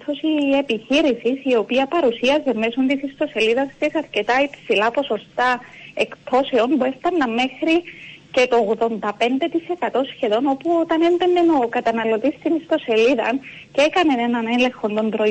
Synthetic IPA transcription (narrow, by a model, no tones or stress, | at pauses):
θosie̞piçiɾisisio̞piɐpɐɾusiɐzemːesund̪isist̪o̞se̞liðɐst̪esɐɾce̞t̪ɐipsilɐpo̞so̞st̪ɐe̞kt̪ʰo̞se̞o̞nbue̞ft̪ɐnːɐmːe̞xɾice̞t̪ooɣðo̞nd̪ɐpe̞nd̪e̞t̪ise̞kɐt̪o̞sçe̞ðo̞no̞puo̞t̪ɐne̞nbenːe̞no̞kɐt̪ɐnɐlo̞t̪ist̪inist̪o̞se̞liðɐ̰n | ceekɐne̞ne̞nɐne̞le̞xo̞nd̪o̞nb̪ɾo